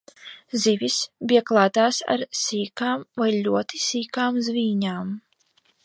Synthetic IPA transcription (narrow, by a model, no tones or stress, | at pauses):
zivʲisbʲiɛklˠaːt̪aːsa̰ɾsiːkaːmvajlʲuɔt̪isiːkaːmzviːɲaːm